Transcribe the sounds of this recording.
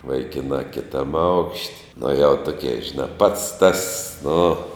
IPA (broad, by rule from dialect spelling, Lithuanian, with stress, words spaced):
ʋɐɪˈkʲɪnɑː kʲɪˈtɐm ɐʊkʃʲtʲ nʊ jɛʊ ˈtʊkʲeː ʒʲɪˈnɑː pɐts tɐs nʊ